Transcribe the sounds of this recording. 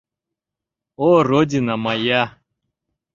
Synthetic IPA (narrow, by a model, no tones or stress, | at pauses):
orodʲinamaja